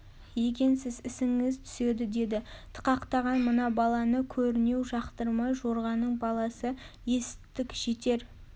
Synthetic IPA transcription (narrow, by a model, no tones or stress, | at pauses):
je̞k̬ʲe̞nsɪzɪsɪŋɪzt̪ʰʏ̥se̞d̪ɪd̪e̞d̪ɪt̪ʰə̥qɑqt̪ɑʁɑnmənɑbɑlˠɑnəkʲʰɵɾɪne̞wʒɑqt̪əɾmɑjʒo̞ɾʁɑnəɴbɑlˠɑsəje̞sɪt̪ːɪkʲʒ̥e̞t̪e̞ɾ